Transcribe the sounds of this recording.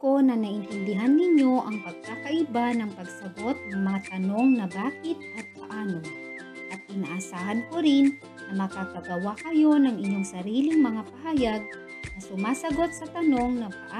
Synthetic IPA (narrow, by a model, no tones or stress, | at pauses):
ko̞nɐnɐʔɪnt̪ɪnd̪ɪɦanːɪɲo̞ʔɐŋpɐɡ̚kaːkɐʔɪbanɐŋpɐɡsɐɡo̞t̪̚nɐŋmɐŋat̪ɐno̞ŋnɐbaːkɪt̪̚ʔɐt̪̚pɐʔaːnoŋ | ʔɐt̪̚kɪnaʔɐsaːhɐnko̞ɾɪnː | ɐmɐkakɐɡɐwakɐjo̞nɐŋɪɲːo̞ŋsɐɾiːlɪŋmɐŋapɐhaːjɐɡ̚ | nɐsʊmaːsɐɡo̞t̪̚sɐt̪ɐno̞ŋnɐpɐʔa